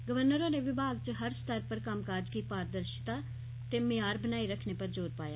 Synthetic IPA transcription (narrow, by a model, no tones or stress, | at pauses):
ɡəʋəɾnəɾõːɾeːʋɪbʱaːɡ̚t͡ʃəɦəɾst̪əɾpəɾkəmkaːɾd͡ʒkiːpaːɾd̪əɾʃɪ̥t̪aː | t̪eːmɪjaːɾbənaːiɾəkʰneːpəɾd͡ʒoːɾpaːja̰ː